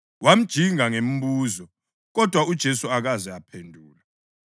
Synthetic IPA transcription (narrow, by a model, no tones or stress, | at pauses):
wam̩d̥ʒ̥ʱiŋaŋem̩βuːzɔ | ɣɔd̥ʱwaud̥ʒ̥ʱesuaɣazɛapʰendʱuːla